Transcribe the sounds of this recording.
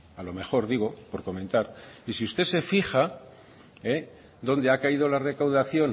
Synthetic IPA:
alo̞me̞xo̞ɾðiɣ̞o̞po̞ɾko̞mẽ̞nt̪aɾisiust̪e̞se̞fixa | e | d̪o̞nd̪eakaið̞o̞lare̞kawðaθjo̞n

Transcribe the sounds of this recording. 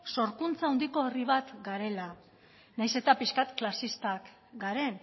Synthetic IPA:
so̞ɾkunt͡saund̪iko̞eriβ̞at̪ɡaɾe̞la | najse̞t̪apiskat̪klasist̪ak | ɡaɾe̞n

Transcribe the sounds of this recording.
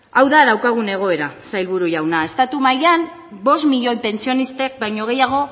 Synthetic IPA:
awðaðawkaɣ̞une̞ɣ̞o̞e̞ɾasajlβuɾuʝawnae̞st̪at̪umajan | bo̞st̪miʎo̞jpe̞nt͡sio̞nist̪e̞k̚bajɲo̞ɣ̞e̞jaɣ̞o̞

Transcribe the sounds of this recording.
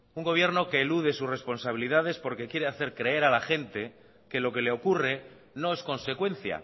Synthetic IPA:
uŋɡo̞βje̞ɾnokeːluðe̞susre̞spo̞nsaβ̞iliðað̞e̞spo̞ɾke̞kje̞ɾe̞aθe̞ɾkɾe̞e̞ɾalaxe̞nt̪e̞ | ke̞lo̞ke̞leo̞kure̞ | no̞e̞sko̞nse̞kwe̞n̟θja̰

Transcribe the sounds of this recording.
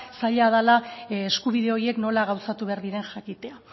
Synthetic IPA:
saʎað̞alaeskuβiðe̞o̞ie̞kno̞laɣawsat̪uβe̞aɾðiɾe̞nʝakit̪e̞a

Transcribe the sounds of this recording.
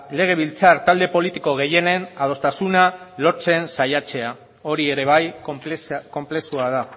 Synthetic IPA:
le̞ɣ̞e̞β̞ilt͡saɾt̪ald̪e̞po̞lit̪iko̞ɣ̞e̞je̞ne̞naðo̞st̪asunalo̞t͡se̞nsajat͡se̞a | o̞ɾie̞ɾe̞β̞aj | ko̞mple̞suað̞a

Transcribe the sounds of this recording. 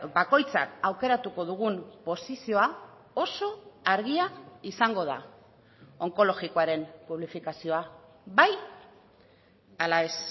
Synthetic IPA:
bako̞jt͡sa̰kawke̞ɾat̪uko̞ðuɣ̞umpo̞sisio̞a | o̞so̞aɾɣ̞iaisaŋɡo̞ð̞a̰ | o̞ŋko̞lo̞ɣikoaɾe̞mpuβlifikasio̞a | βaj | alae̞s

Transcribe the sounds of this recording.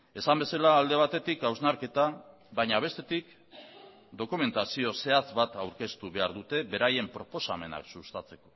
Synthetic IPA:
e̞sambe̞salaːld̪e̞β̞at̪e̞t̪ikawznaɾke̞t̪a | βaɲaβ̞e̞st̪e̞t̪ik | d̪o̞kume̞nt̪asio̞se̞at͡sβat̪awɾke̞st̪uβe̞aɾðut̪e̞βe̞ɾaje̞mpɾo̞po̞same̞na̰ksust̪at͡se̞ko̞

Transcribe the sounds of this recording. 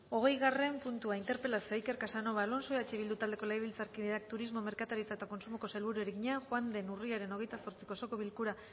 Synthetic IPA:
o̞ɣ̞e̞jɣare̞mpunt̪uaint̪e̞ɾpe̞lasio̞ejke̞ɾkasano̞βalo̞nso̞at͡ʃeβild̪ut̪ald̪e̞ko̞lejβilt͡saɾkiðeak̚t̪uɾizmo̞me̞ɾkat̪aɾit͡saet̪ako̞nsumoko̞selβuɾue̞ɾeɣiɲaʝwand̪e̞nuriaɾe̞no̞ɣ̞e̞jt̪aso̞ɾt͡si̥koso̞ko̞βilkuɾa

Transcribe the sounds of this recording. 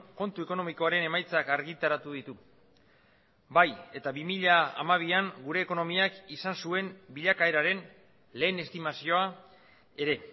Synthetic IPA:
ko̞nt̪ue̞ko̞no̞miko̞aɾe̞ne̞majt͡sakaɾɣit̪aɾat̪uðit̪u | baje̞t̪aβimiʎaa̰maβ̞iaŋɡuɾe̞ːko̞no̞miakisansue̞mbiʎakaeɾaɾe̞n | le̞ːne̞st̪imasio̞a | e̞ɾe̞

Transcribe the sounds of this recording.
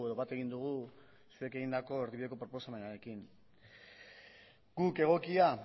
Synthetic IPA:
e̞ðo̞βat̪e̞ɣind̪uɣ̞u | sue̞ke̞ɣind̪ako̞eɾðiβiðe̞ko̞pɾo̞po̞same̞naɾe̞kin | ɡuke̞ɣ̞o̞kia

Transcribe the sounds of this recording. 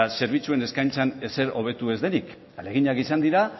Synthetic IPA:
ase̞ɾβ̞it͡sue̞ne̞skajnt͡sane̞se̞ɾo̞β̞e̞t̪ue̞zðe̞nik | ale̞ɣ̞iɲakisand̪iɾa

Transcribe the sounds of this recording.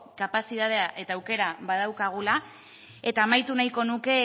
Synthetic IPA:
kapasiðað̞e̞aʔe̞t̪aːwke̞ɾaβaðawkaɣ̞ula | e̞t̪aːmajt̪unajko̞nuke̞

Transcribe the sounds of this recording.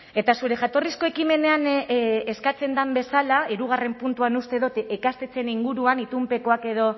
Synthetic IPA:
e̞t̪asuɾe̞ʝat̪o̞risko̞ekime̞ne̞aneskat͡se̞nd̪ambe̞salaiɾuɣ̞are̞mpunt̪uanust̪e̞ðot̪ekast̪e̞t͡se̞niŋɡuɾuanit̪umpe̞ko̞ake̞ð̞o̞

